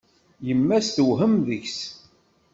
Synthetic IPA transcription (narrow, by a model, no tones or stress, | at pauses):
jəmːæsθəɦəmðəçs